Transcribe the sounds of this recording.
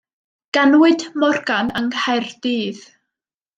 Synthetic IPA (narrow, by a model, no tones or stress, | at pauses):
ɡ̥anwɨdmɔrɡanəŋhɛrdiːð